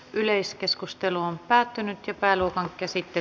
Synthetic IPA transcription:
ʔyleiskeskust̪eluompæːt̪ːynyt̪jɑpæːluokɑŋkæsit̪ːe

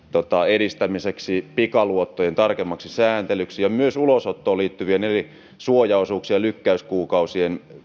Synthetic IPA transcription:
t̪ot̪ɑeɾist̪æmiseksipikɑluot̪ːojent̪ɑrkemːɑksisæːnt̪elyksijɑmyøsulosot̪ːoːliːt̪ːyʋieneri | suojɑosuːksiɑlykːæyskuːkɑusien

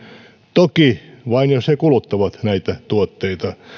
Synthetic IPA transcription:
t̪okiʋɑinjoshekulut̪ːɑʋɑt̪næit̪æt̪uot̪ːeit̪ɑ

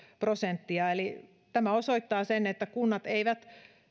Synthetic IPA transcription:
prosent̪ːiɑeli | t̪æmæosoit̪ːɑːsenet̪ːækunːɑt̪eiʋæt̪

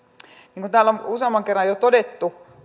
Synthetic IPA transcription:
niːŋkunt̪æːlomuseɑmːˑɑŋkerːɑjot̪odet̪ːu

